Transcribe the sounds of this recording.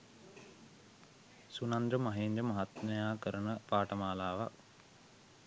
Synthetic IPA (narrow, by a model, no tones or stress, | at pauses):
sunand̪ɾəmaɦeːnd͡ʒəmaɦat̪nejaːkəɾənəpaːʈəmaːlaːʋak